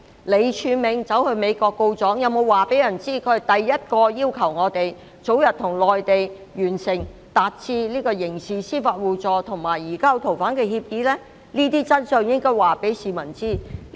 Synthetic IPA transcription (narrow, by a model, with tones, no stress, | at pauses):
le˨˧jt͡ʃʰyː˨˧mɪ˨˧ŋt͡sɐ˨˥whɵ˧ɥme˨˧jkɔː˧kːo˧wt͡sɔː˨˥ŋjɐ˨˧wmo˨˧waː˨˩pe˨˥jɐ˨˩nt͡siː˥kʰɵ˧˥ɛ˨˩jt̪ɐ˨jːɐ˥t̚kɔː˧jiː˥wkʰɐ˨˩wŋɔː˨˧t̪e˨j | t͡so˨˥wjɐ˨t̚t̪ʰʊ˨˩ŋlɔː˨jt̪e˨j | jyː˨˩nsɪ˨˩ŋt̪aː˨t̚t͡sʰiː˧liː˥kɔː˧jɪ˨˩ŋsiː˨siː˥faː˧t̚wuː˨˧t͡sɔː˨˩t̪ʰʊ˨˩ŋmaː˨˩jːiː˨˩kɐ˧˥wt̪ʰo˨˩wfaː˨˥nkɛː˧hiː˧p̚jiː˨˥lɛː˥ | niː˥t̪iː˥t͡sɐ˥nsœː˨˧ŋjɪ˥ŋkɔː˥jwaː˨˩pe˨˥jsiː˨mɐ˨˩nt͡siː˥˩